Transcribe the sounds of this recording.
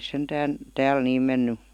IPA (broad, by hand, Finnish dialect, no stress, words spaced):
sentæːn tæːl niːm menːy